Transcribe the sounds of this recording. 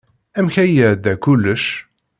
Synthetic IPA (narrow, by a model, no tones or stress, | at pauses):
æmçæjæd̪ækʊlːəʃ